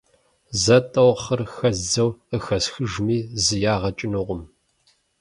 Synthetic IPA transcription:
zɐtʼɐwχɐrxɐzd͡zɐwəxɐsxɨʒmiːzɨjaːʁɐt͡ʃʼɪnɨʁʷʊm

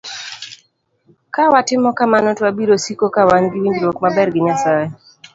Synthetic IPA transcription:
kawatɪmɔkamanɔtwabiɾosikokawanɡɪwiɲd͡ʒlwɔkmabɛrɡɪɲasae

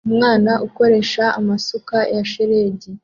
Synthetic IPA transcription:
umŋaːnaʔuko̞ɾe̞ʃaːmasukajaʃeɾeːɟi

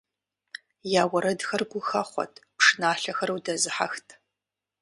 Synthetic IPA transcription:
jaːwɐɾɐdxɐrɡʷʊxɐχʷɔ̰tʰpʂɨnaːɬɐxɐɾɨwdɐzɨħa̰xtʰ

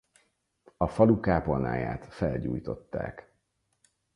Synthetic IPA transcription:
ɒfɒlukaːpona̰ːja̰ːt̪fɛlɟuːjt̪o̞t̪ːaːk

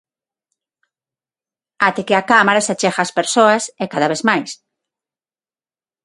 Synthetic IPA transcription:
at̪ekeakamaɾasat͡ʃɛxaːspeɾsoɐsekaðaβeθmajs

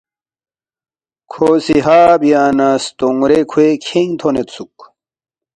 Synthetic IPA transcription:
kʰoːsiɦaːbijaːnast̪oŋɾekʰuekʰeŋt̪ʰonet̪suk

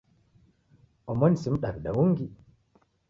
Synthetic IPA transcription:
ʔɔmɔnsimɗaɾɗa̰wuŋɡi

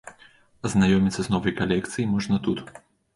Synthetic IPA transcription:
ɐznajɔmʲit̪sːɐznɔvɐjkalʲɛkt̪sɨjimɔʐnɐt̪ut̪

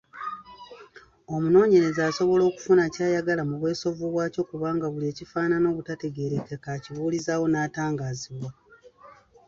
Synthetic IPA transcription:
o̞muno̞ːɲe̞ɾe̞zaːso̞βo̞lo̞ːku̥funacaːjaɡalamuβwe̞ːso̞voβwaːco̞kuβaːŋɡaβulie̞ːcifaːnano̞ːβutate̞ɡe̞ɾekekaciβuːlizaːwo̞naːtaːŋɡaːziβwa

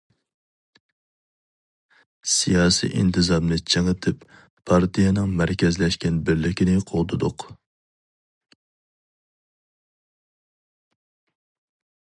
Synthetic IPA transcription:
sijɑːsḭʔḭnt̪ʰɨzɑmnɨt͡ʃʰeŋət̪ʰɪp | pʰːɑɾt̪ʰijɛnɨŋmæɾkʲɛzlɛʃkʲɛnbɪɾlɪkʲʰinɪqʰolˠd̪ɨd̪ʊq

